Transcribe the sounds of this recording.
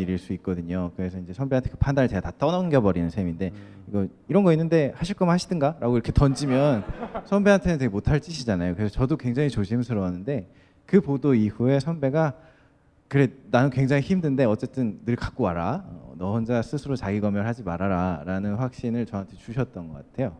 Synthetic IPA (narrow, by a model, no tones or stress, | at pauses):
iɾiɭs͈uit̚k͈ʌdɯɲokɯɾe̞sʰʌind͡ʑe̞sʰʌnbe̞antʰekɯ̥pʰandaɾeteɡatat͈ʌnʌnɡjʌbʌɾinɯnsʰeminde̞ | iɡʌ | iɾʌnɡʌinːɯnde̞haɕʰiɭk͈ʌmnhaɕʰidɯnɡaɾʔaɡoiɾʌkʰe̞tʌnd͡ʑimjʌnsʰʌnbe̞ɦantʰenɯnt̬eɡemotʰaɭt͡ɕ͈iɕʰid͡ʑanajokɯɾe̞sʰʌt͡ɕʌdokwe̞ŋd͡ʑaŋit͡ɕoɕʰimnsʰɯɾʌwanːɯnde̞ | kɯpodoihue̞sʰʌnbe̞ɡa | kɯɾe̞nanɯnkweŋd͡ʑaŋiçimdɯnde̞ʌt͡ɕ͈e̞t͈ɯnːɯɭkak̚k͈oaɾaʌ̰nʌɦʌnd͡ʑasʰɯsʰɯɾot͡ɕaɡiɡʌmjʌɭɦad͡ʑimaɾaɾaɾanɯnɸwak̚ɕ͈inɯɭt͡ɕʌantʰet͡ɕuɕʰʌt̚t͈ʌnɡʌk͈atʰe̞jo